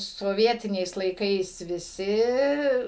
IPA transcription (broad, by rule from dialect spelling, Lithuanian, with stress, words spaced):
soːˈʋʲiɛtʲɪnʲɛɪs lˠɐɪˈkɐɪs ʋʲɪˈsʲɪ